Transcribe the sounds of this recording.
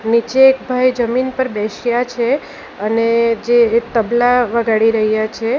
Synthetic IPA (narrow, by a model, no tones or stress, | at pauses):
nit͡ʃeːkbʱajd͡ʒəminpəɾbɛʃjat͡ʃʰe | əned͡ʒet̪əblaʋəɡaɽiɾəɦjat͡ʃʰe